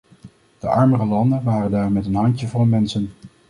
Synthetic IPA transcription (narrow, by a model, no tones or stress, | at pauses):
d̥əʔɑɹmərəlɑndənʋaːrəndaːrmɛtənɦɑɲcəvʊlənmɛnsən